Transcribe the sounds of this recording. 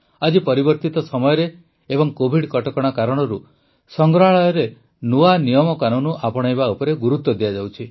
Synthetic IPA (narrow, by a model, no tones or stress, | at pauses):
ad͡ʒipɔɾibɔɾt̪it̪ɔsɔmɔjɔɾe | ebɔŋkobʱiɽkɔʈɔkɔɽ̃akaɾɔɽ̃ɔɾu | sɔŋɡɾɔɦaɭajɔɾe | nuanijɔmɔkanunuʔapɔɽ̃ajbaupɔɾeɡuɾut̪wɔd̪ijad͡ʒawt͡ʃʰi